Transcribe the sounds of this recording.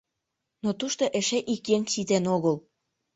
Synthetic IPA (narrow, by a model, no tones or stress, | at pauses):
not̪uʃt̪oʔeʃeʔikjeŋt͡ɕit̪enoɣəl